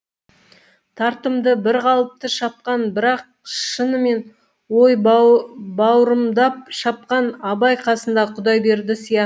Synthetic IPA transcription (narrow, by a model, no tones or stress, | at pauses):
t̪ʰɑɾt̪əmd̪əbɪɾqʰɑlˠəp̚t̪əʃɑp̚qɑnbɪɾɑq̚ʃənəme̞n | wo̞j | bɑwɾəmd̪ɑp̚ʃɑp̚qɑnɑbɑjqʰɑsənd̪ɑqʰʊd̪ɑjbe̞ɾd̪ɪsijɑ